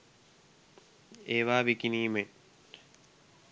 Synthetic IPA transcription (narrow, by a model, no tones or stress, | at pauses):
eːʋaːʋikiniːme